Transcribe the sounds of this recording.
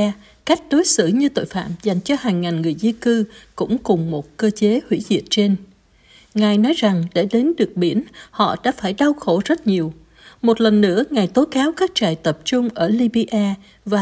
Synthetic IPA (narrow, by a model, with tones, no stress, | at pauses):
ka˦˥jk̟̚ɗo˨˦jsɨ̰˧˨ɲɨ˧t̪o̰˧˨jfa̰ː˧˨mza˨˩jŋ̟t͡ɕɔ˧haː˨˩ŋːaː˨˩nŋɨ˨˩əjzi˧kɨ˧kʊ̰˧˥ŋ͡mkʊ˨˩ŋ͡mmo˨˩t̚kəː˧t͡ɕe˨˦hwḭ˧˥zḭ˧˨ət̚t͡ɕe˧n | ŋaː˨˩jnɔ˨˦jza˨˩ŋɗe˧˩ɗe˨˦nɗɨ˨˩ək̚ɓi˧˩ənhɔ̰˧˨ɗa̰ː˧˥faː˧˩jɗa˧wxo˧˩zə˦˥t̚ɲi˨˩əw | mo˨˩t̚lə˨˩nːɨ̰˧˥əŋaː˨˩jt̪o˨˦kaː˨˦wkaː˦˥k̚t͡ɕaː˨˩jt̪ə˨˩p̚t͡ɕʊ˧ŋ͡mʔəː˧˩li˧ɓi˧ʔaː˧ | vaː˨˩